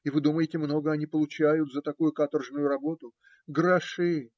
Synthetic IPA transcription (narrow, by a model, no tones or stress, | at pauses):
ɪvɨd̪uməjɪtʲɪmno̞ɡəɐnʲipəlˠʊt͡ɕæjʊt̪zət̪ɐkujʊkat̪ərʐnʊjʊɾɐbo̞t̪ʊ | ɡɾɐʂɨ